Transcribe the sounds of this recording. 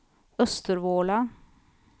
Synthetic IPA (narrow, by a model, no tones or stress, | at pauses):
œst̪əɾvoːla